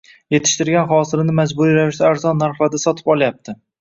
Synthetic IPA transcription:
je̞t̪ʰɪ̥ʃt̪ɪɾɡʲanχɒsɪɾɪnɪmad͡ʒbʊɾiɾavɪʃd̪aːɾzɒnːaɾfad̪asɒt̪ʰɪ̥pɒlˠajap̚t̪ʰɪ

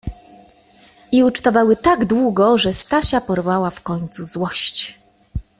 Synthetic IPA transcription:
iut͡ʂt̪ɔvawɘt̪aɡd̪wuɡɔʐɛst̪aɕapɔɾvawafkɔɲt̪suzwɔɕt͡ɕ

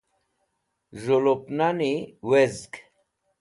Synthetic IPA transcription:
ʐolopnaniwezk

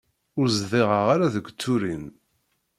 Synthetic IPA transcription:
ʊɾzðiʁəʁaɾaðəɡʷt͡sːuɾin

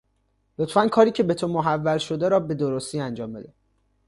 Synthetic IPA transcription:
lot̪fænkʰɒːɾiːcʰe̞be̞t̪ʰomoɦævːælʃo̞d̪eɾɒːbe̞d̪oɾost̪iːænd͡ʒɒːmbed̪e

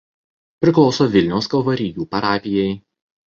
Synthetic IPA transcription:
pʲɾʲɪklˠɒʊsoːʋʲɪlʲnʲɛʊskɐlˠʋɐɾʲɪjuːpɐɾɑːpʲɪjɛɪ

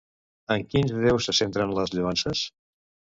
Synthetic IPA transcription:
əŋkinzðɛwsːəsent̪ɾənləzʎuansəs

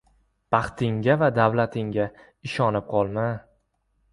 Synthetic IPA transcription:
b̥ɑχt̪ʰɪŋɡʲavad̪avlat̪ʰɪŋɡʲa | ɪʃɒnɪp̚qʰɒlˠma

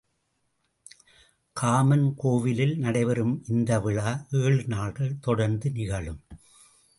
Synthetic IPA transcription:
kʰaːmɐnkoːʋɪlɪlnɐɽɐɪʋɐɾɯmʔɪnd̪ɐʋɪɭaːʔeːɭnaːɭɣɐɭt̪ɔɽɐɾnd̪ɯnɪɣɐɭɯm

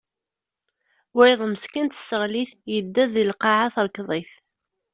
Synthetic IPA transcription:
wɾiðˤmskənt̪ə̥səʁliθjəd̪ːæðilqɑʕaθɾˤkðˤiθ

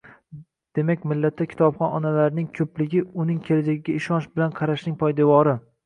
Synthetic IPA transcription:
d̪̥e̞makʲmɪlːat̪ʰːakʲʰɪ̥t̪ɒbχɒnɒnalaɾnɪŋkʲʰɵplɪɡʲɪʊnɪŋkʲʰelad͡ʒaɡʲɪɡʲaɪʃɒnʃbɪlanqʰɑɾaʃnɪŋpʰɒjd̪evɒɾɪ

